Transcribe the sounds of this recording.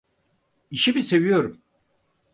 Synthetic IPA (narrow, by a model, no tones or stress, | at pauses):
iʃibise̞vijo̞ɾum